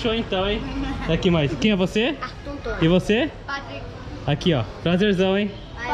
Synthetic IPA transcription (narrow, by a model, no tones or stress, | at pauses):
ʃoẽt̪ɐ̃w̃ẽj̪̃akimajskẽj̃ɛvose | ɪvose | akiɔt̪ɾazeɾzɐ̃w̃ẽj̃